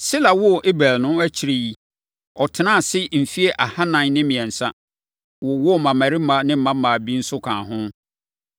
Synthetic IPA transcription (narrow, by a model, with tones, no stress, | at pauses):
sɪ˦la˨wɔ˦˨ʔe˦bɾaː˨lnʊ̃˦æ˦t͡ɕʰi˨ɾe˨ji˦ | ɔ˨tʰɪ˨˦nã˦˨sɪ˦m̩˨fi˦e˦ʔa˨ha˦nã˨n˦nɪ̃˦mĩ˨ɛ̃˨n̩˨sa˦ | wɔ˨wɔ˦˨mã˨mæ˨ɾi˦mã˨˦nɪ̃˦m̩˦mã˦mã˨bi˦n̩˦sʊ˦kʰãː˨ɦʊ̃˦